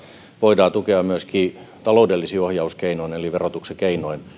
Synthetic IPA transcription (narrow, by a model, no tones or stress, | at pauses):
ʋoidɑːt̪ukeɑmyøskiːt̪ɑloudelːisiːohjɑuskeinoineliʋerot̪uksekeinoin